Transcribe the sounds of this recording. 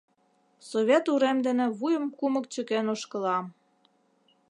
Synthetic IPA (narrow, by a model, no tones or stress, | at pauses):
soβʲet̪uɾemd̪ĕnĕβujə̆mkumə̆k̚t͡ɕə̆kenoʃkə̆lɑm